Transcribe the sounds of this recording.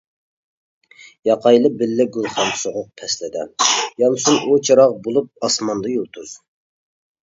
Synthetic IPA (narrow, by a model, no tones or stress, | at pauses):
jɑqʰɑjlˠɨbɪlːɪɡʲulˠχɑmsoʁʊq̚pʰɛslɪd̪ɛjɑmsunʔot͡ʃʰɑɾɑʁbolˠup̚ɑsmɑnd̪ɑjolˠt̪ʰuz